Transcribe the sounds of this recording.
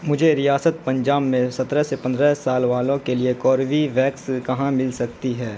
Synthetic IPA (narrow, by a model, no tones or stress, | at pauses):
mʊd͡ʒʱeɾijaːsət̪̚pɐ̃ɲd͡ʒaːbmẽsɐt̪ɾɛsepɐ̃nd̪ɾɛɦsaːlʋaːlõkeliekɔːɾʋiʋɛːkskɐɦãmɪlsɐkt̪iɦɛː